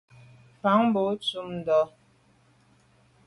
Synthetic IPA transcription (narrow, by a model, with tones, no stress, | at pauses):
fa˨˦ŋ˦bo˨˦t͡su˦mn˨dɔ˨˦